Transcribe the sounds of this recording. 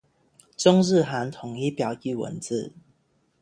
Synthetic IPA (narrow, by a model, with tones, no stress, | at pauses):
t͡sʊ˦ŋɻ̩˥˨ɦa˨˦nt̪ʰʊ˨˩˦ŋi˦pjɑ˨˩ʊki˥˨wə̰˧˦nt͡sɹ̩˥˨